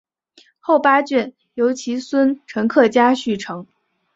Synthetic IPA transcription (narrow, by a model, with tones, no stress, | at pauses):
xo˥˩ʊpa˥t͡ɕɥɛ˥˩n | jo˧˥ʊt͡ɕʰi˧˥swə˥nʈ͡ʂʰɤ˧˥ŋkʰɤ˥˩t͡ɕja˥ɕy˥˩ʈ͡ʂʰɤ˧˥ŋ